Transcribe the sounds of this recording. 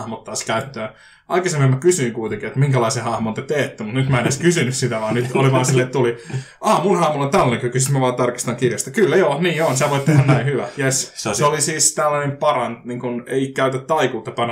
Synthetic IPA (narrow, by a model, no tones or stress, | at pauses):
hmot̪ːɑːskæyt̪ːøː | ʔɑ̰ikɑsememːækysyːŋkuit̪eŋkiet̪miŋkælɑisehɑhmont̪et̪eːt̪ːymut̪nyt̪mæeneskysynyssit̪æʋɑːnyt̪oliʋɑːnsilːet̪t̪uli | ʔɑːmunhɑhmolont̪ælːneŋkykːysismæʋɑːt̪ɑrki̥st̪ɑŋkirjɑst̪ɑkylːæjoːniːonsit̪æʋoit̪t̪ehænnæihyʋæjesseolisiːst̪ælːænempɑrɑnt̪niːŋkuneikæyt̪æt̪t̪ːɑikuːt̪ːɑpɑnɑ